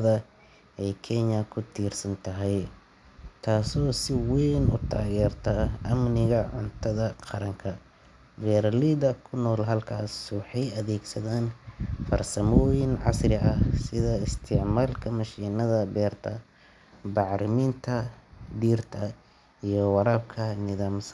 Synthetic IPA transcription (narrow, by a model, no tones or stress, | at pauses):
ɐðɐ | ʔɛjkʰɛɲɐkʰʊt̪ʰiːrsɐnt̪ʰɐɦɛj | t̪ʰaːsɔːsɪwɛjnʊ̰t̪ʰa̰ːɣɛːrt̪ʰaʔɐmnɪɣɐʕʊnt̪ʰɐðɐqɑɾɐŋkʰɐ | bɛːɾɐlid̪ɐkʰʊnːɔːlɦɐlkʰaːswɑħɑjɐðɛːɡsɐðaːnfɐrsɐmɔːjɪnʕɑ̰srɪʔɐhsɪðɐɪst̪ʰɪʕmaːlkʰɐmɐʃiːnɐðɐbɛːrt̪ʰɐ | bɑʕɾɪmiːnt̪ʰɐd̪iːrt̪ʰɐ | ijɞwɑɾaːb̚kʰɐnɪðaːms